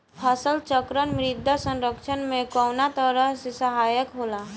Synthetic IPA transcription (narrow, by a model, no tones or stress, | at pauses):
pʰəsəlt͡ʃəkɾənmɾɪd̪ʱːasə̃nɾəkʃʰənmẽkɔːnat̪əɾəɦsesəɦaːjəkɦoːla